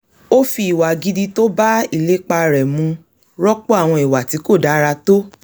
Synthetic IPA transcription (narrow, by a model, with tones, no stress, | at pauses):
o˦fi˧i˨wa˨ɡi˧di˧to˦ba˦i˦˨le˨˦k͡pa˧ɾɛ˨mũ˧ | ɾɔ˦k͡po˦a˦˨w̃ɔ̃˧i˨wa˨ti˨˦ko˦˨da˨˦ɾa˧to˦